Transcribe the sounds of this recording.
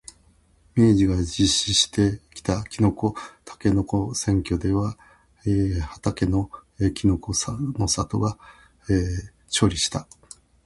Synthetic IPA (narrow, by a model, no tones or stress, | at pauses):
me̞ːʑiɡad͡ʑiɕiɕi̥t̪ʰe̞kʲi̥t̪akʲino̞ko̞t̪ʰḁke̞no̞ko̞sẽ̞ŋkʲo̞d̪e̞βa | ehat̪ake̞no̞ekʲino̞ko̞sno̞sat̪o̞̰ɡa | e | t͡ɕo̞ːɾʲiɕi̥t̪a